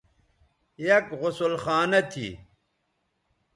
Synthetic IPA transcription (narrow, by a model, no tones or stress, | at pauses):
jɐkʁʊsulxaːnɐt̪ʰḭ